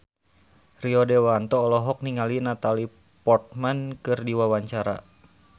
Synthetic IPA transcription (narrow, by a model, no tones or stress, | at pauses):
riɔdewant̪ɔːlɔɦɔk̚niŋalinat̪ali | pɔrt̪̚mankɨrdiwawaɲt͡ʃaɾa̰